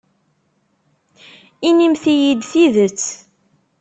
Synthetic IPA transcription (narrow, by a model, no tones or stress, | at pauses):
inimθijid̪θiðət͡sː